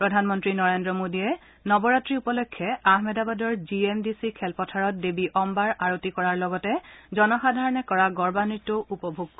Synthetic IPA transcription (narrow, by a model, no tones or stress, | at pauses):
pɹɔdʱanmɔntɹinɔɹendɹɔmodiɛ | nɔbɔɹatɹiupɔlɔjkʰːjɛaɦmɛdabadɔɹziemdisikʰɛlpɔtʰaɹɔt̚debiʔɔmbaɹaɹotikɔɹaɹlɔɡɔtɛzɔnɔxadʱaɹɔnɛkɔɹaɡɔɹbanitːoʔupɔbʱuɡkɔ